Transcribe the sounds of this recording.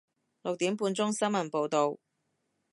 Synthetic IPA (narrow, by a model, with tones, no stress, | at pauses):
lʊ˨k̚t̪iː˨˥mpuː˧nt͡sʊ˥ŋsɐ˥nmɐ˨˩npo˨˧wt̪o˨w